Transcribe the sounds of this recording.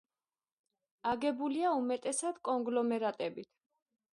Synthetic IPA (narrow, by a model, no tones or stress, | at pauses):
aɡɛbuliaumɛt̪ʼɛsad̪̥kʼɔŋɡlɔmɛɾat̪ʼɛbit̪ʰ